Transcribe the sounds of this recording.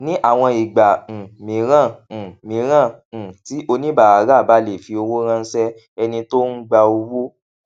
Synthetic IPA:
nĩ˦ʔa˦˨w̃ɔ̃˧i˨ɡ͡bã˨mĩ˨˦ɾ̃ã˦˨mĩ˨˦ɾ̃ã˦˨ti˨˦ʔo˧nĩ˦ba˦˨a˨˦ɾa˦˨ba˨˦le˨fi˧˦o˧wo˦ɾ̃ã˦˧˦sɛ˦ | ɛ˧nĩ˧to˦n̩˦ɡ͡ba˧o˧wo˦

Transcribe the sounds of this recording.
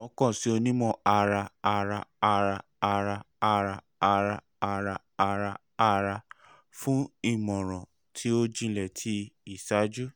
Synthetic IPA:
ɔ˧kɔ̃˦˨si˨˦o˧nĩ˦mɔ̃˦˨a˧ɾa˧a˧ɾa˧a˧ɾa˧ | a˧ɾa˧ | a˧ɾa˧ | a˧ɾa˧ | a˧ɾa˧ | a˧ɾa˧ | a˧ɾa˧ | fũ˦i˦˨mɔ̃˨ɾ̃ɔ̃˨ | tʰi˦o˦d͡ʒĩ˦˧˨lɛ˨tʰi˧i˦˨sa˨˦d͡ʒu˦

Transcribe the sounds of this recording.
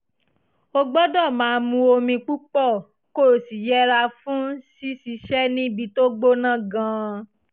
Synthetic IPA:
o˧ɡ͡bɔ˦dɔ˦˨mãː˨˦˧mũ˧o˧mĩ˧k͡pu˦k͡pɔ˦˨ | ko˦˨si˨jɛ˦ɾa˧fũ˦si˦si˧ʃɛ˦nĩ˦bi˧to˦ɡ͡bo˦nã˦˨ɡã˨˦

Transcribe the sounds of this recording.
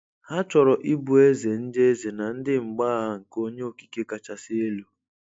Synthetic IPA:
ha˦t͡ʃɔ˨ɾɔ˨ʔi˦bu˨e˦ze˨n̩˦de˦ze˨na˨n̩˦dɪ˦ŋ͡m̩˨ɡ͡ba˦ɦa˦ŋ̩˨ko˦ɲe˦o˨ki̥˨ke˦ka˨t͡ʃa˨sɪ˦e˦lu˦

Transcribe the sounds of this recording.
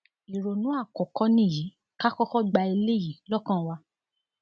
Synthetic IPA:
i˨ɾo˨nũ˨˦a˦˨kɔ˨kɔ˦nĩ˦˨ji˨˦ | ka˦kɔ˦kɔ˦ɡ͡ba˧i˧le˦˨ji˨˦lɔ˦˨kã˦˨wa˧

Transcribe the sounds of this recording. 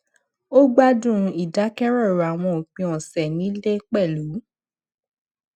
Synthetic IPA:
o˦ɡ͡ba˦dũ˦˨˧i˦˨da˨˦kɛ˦ɾɔ˦˨ɾa˨w̃ɔ̃˧o˨k͡pĩ˧˦ɔ̃˨sɛ˨nĩ˨˦le˦k͡pɛ˦˨lu˨˦

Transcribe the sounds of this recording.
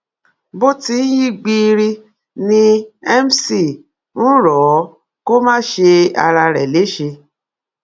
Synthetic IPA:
bo˦ti˧n̩˦ji˦ɡ͡bi˧ɾi˧ | nĩ˧ɛ˦m˦si˨ | n̩˦ɾɔ˨˦ | ko˦mãː˦ʃe˧a̰˧ɾa˧ɾɛ˨le˨˦ʃe˧

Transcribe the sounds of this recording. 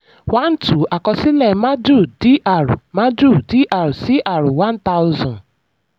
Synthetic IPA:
wa˦n̩˦tu˨a˨kɔ˧si˦lɛ˨ma˦du˦˨di˦ʔa˨ɾu˨ma˦du˦˨di˦ʔa˨ɾu˨si˦ʔa˨ɾu˨wã˦n̩˦t̪a˦ʊ˦zɔ̃˨n

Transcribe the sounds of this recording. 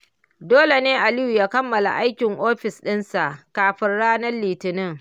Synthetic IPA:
doː˦le˨neː˦ʔa˨lɪ˦ju˨jaː˦kɐ˦mːɐ˨la̰˨ʔa˦jkʲɪ˨ŋʔoː˦ɸɪ˨sɗɪ˦nsa˨ʔkaː˨ɸɪ˦nɽaː˦nɐ˦rːiː˨tɪ˨nɪ˦ŋ

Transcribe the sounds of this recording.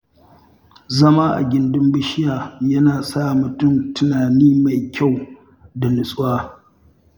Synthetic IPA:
zɐ˦maː˦ʔa̰˨ɡʲɪ˦ndɪ˦mbɪ˦ʃɪ˦jaː˨jɐ˦naː˨saː˦˨mʊ˨tʊ˦˨mtʊ˦naː˨niː˦ma˨jkʲa˦˨w | da˨nʊ˨sʼwaː˦

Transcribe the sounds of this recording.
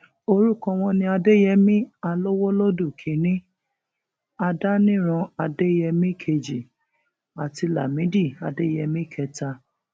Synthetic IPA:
o˧ɾu˦˨kɔ̃˧w̃ɔ̃˧nĩ˧a˧de˦jɛ˧mĩ˦a˧lo˦wo˦lo˦du˦˨kʰĩ˨˦nĩ˦ | a˧da˦nĩ˦ɾ̃ɔ̃˧a˧de˦jɛ˧mĩ˦˨kʰe˧d͡ʒi˨ | a˨ti˧la˨mĩ˨˦di˦˨a˧de˦jɛ˧mĩ˦˨kʰɛ˧ta˧

